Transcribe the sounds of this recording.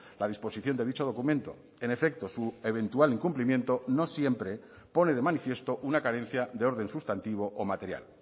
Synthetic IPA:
lað̞ispo̞siθjo̞nd̪e̞ðit͡ʃo̞ðo̞kumẽnt̪o̞̰ | e̞ne̞fek̚t̪o̞sue̞β̞e̞nt̪ualiŋkumplimje̞nt̪o̞no̞sje̞mpɾe̞ | po̞ne̞ð̞e̞manifje̞st̪o̞ʔunakaɾẽ̞n̟θjad̪eo̞ɾðẽ̞nsust̪ant̪iβ̞o̞ʔomat̪e̞ɾja̰l

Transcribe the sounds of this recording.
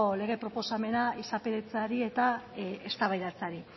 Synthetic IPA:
le̞ɣ̞e̞pɾo̞po̞same̞naisape̞ɾet͡saɾie̞t̪aest̪aβajðat͡saɾi

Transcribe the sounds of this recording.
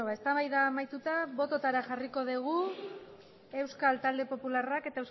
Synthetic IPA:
oβae̞st̪aβajðaːmajt̪ut̪aβo̞t̪o̞t̪aɾaʝariko̞ðiɣu | e̞wskalt̪ald̪e̞po̞pularake̞t̪aews

